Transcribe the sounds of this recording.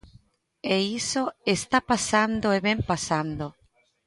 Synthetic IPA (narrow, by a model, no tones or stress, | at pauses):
eisoest̪apasand̪oeβempasand̪o